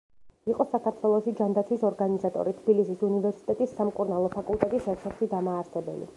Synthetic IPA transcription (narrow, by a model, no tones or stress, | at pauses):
iqʼɔsakaɾt̪ʰwɛlˠɔʃid͡ʒand̪at̪sʰwisɔɾɡanizat̪ʼɔ̰ɾit̪ʰbilisisunivɛɾsi̥t̪ʼɛt̪ʼisːamkʼuɾnalˠɔpʰakʼulˠt̪ʼɛt̪ʼisɛsʰɛɾʃid̪amaːɾsɛbɛ̰lḭ